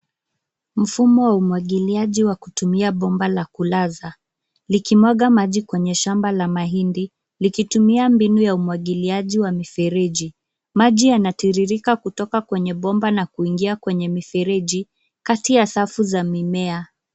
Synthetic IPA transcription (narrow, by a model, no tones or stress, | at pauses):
m̩fumɔwaumwaɠiliaʄiwakutumiaɓɔmbalakulaza | likimwaɠamaʄikwɛɲɛʃambalamaɦindi | likitumiambinujaumwaɠiliaʄiwamifɛɾɛʄi | maʄijanatiɾiɾikakutɔkakwɛɲɛɓɔmbanakuiŋɡiakwɛɲɛmifɛɾɛʄi | katijasafuzamimɛa